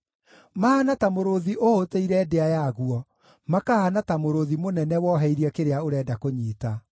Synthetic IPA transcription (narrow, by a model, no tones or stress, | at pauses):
mahanatamoɾoðiʔohoteiɾɛdeajaɣuɔ | makahanatamoɾoðimonɛnɛwɔɦɛiɾiɛkeɾeaoɾɛːdakoɲiːta